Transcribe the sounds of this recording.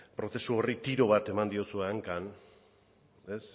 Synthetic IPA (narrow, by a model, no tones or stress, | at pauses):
pɾo̞θe̞suo̞rit̪iɾo̞β̞at̪e̞mand̪iosue̞aŋkan | e̞s